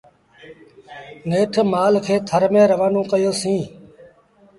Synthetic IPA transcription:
neːʈʰmaːlkʰeːt̪ʰəɾmẽːɾəʋaːnũːkəjoːsĩː

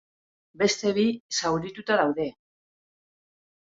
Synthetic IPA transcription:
be̞st̪e̞βisawɾit̪ut̪aðawðe̞

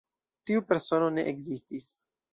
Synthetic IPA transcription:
tiupe̞ɾso̞no̞ne̞ʔeɡzistis

